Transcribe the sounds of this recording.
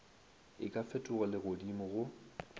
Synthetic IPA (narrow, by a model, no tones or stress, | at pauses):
ɪ̰kʼafɛtʼʊɣɔlɪɣʊdimʊɣʊ